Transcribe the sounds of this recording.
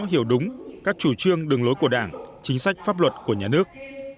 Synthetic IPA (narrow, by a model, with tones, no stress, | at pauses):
ɦi˧˩əwɗʊ˨˦ŋ͡mkaː˦˥k̚t͡ɕu˧˩t͡ɕɨ˧əŋɗɨ˨˩ŋlo˨˦jku˧˩əɗaː˧˩ŋt͡ɕï˨˦ŋ̟sa˦˥jk̟̚faː˦˥p̚lwə˨˩t̚ku˧˩əɲaː˨˩nɨ˦˥ək̚